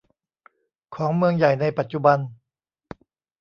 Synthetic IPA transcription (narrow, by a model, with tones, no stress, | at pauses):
kʰɔː˩˦ŋmɯ˧əŋja˨˩jna˧jpa˨˩t̪̚t͡ɕu˧ba˧n